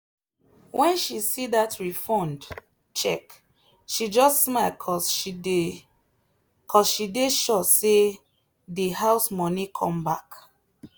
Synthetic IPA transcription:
wʔɛ̃nʃisidatʰɹifɔ̃nd | t͡ʃɛk | ʃid͡ʒɔstsmalkʰɔs | kʰɔsʃideʃɔtse | dehaʊsmɔnikʰɔ̰̃mbak

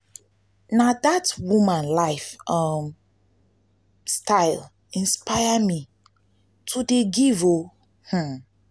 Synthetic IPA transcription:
nadatwumãnlaɪfʔʌm | stʰaɪl | ĩnspajami | tʰudeɡivo | h̩

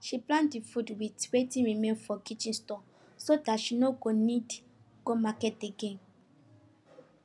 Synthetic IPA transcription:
ʃiplãntdifudwitɹetĩɹimẽnfɔkit͡ʃĩnstɔ̃ | sodatʃinoɡonid | ɡ̥omakɛt̚deɡẽm

